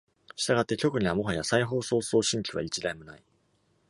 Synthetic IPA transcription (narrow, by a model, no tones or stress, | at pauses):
ɕi̥t̪aɡat̪ːe̞kʲo̞kɯ̟ɲ̟iβamo̞ɦajasaiɦo̞ːso̞ːso̞ːɕĩŋkʲiβa̰it͡ɕiɾaimɯ̟na̰i